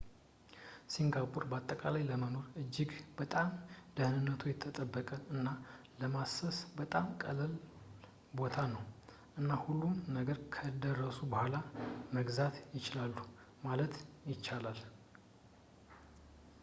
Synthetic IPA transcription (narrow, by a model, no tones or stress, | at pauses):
siŋɡapʼuɾbəat̪ʼːəkʼalajləməmuɾɨd͡ʒːɪɡbət̪ʼamd̪əhnɨnːət̪ʰujɛt̪ʰːət̪ʼəbːəkʼəɨnːa | ləmasəsbət̪ʼamkʼəlɨl | bo̞t̪ʰanəw | ʔɨnːahulːumnəɡəɾkʰəd̪ərːəsubəhʷalaməɡzat̪jɪt͡ʃɪlalːu | malət̪jɪt͡ʃːalal